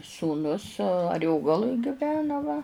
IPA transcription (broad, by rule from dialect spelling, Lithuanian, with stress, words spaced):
suːˈnʊs ɐˈrʲoːɡɐlˠʊj ɡʲɪˈʋʲæːnɐ ʋɐ